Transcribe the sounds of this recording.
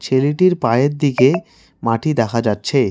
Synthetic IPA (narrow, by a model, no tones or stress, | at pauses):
t͡ɕʰeliʈiɾpaeɾd̪ike | maʈid̪ɛkʰad͡ʑatːɕʰe